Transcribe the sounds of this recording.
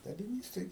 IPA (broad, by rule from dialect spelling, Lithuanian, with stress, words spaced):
dɐlʲɪˈnʲiːs tɐɪ